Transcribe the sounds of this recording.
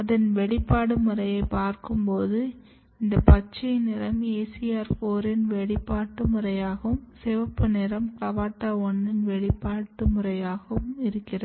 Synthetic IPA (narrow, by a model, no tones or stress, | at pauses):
ɐðɐnʋɛɭɪpːaːɽɯmɯrɐjɐɪpaːɾkɯmpoːðɯ | ɪnd̪ɐpɐt͡ʃːɐɪnɪɾɐmeːsɪjaːɾfoːɾɪnʋɛɭɪpːaːʈːɯmɯrɐjaːɣɐʋɯmsɛʋɐpːɯnɛɾɐmklɐʋaːʈːaːɔɳːɪnʋɛɭɪpːaːʈːɯmɯɾɐjaːɣɐʋɯmɪɾɯkːɪrɐð